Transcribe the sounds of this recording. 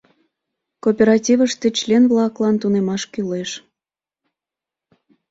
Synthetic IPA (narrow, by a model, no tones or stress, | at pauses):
kopʲeɾɑtʲivəʃt̪et͡ɕlʲenvlɑklɑnt̪unemɑʃkyleʃ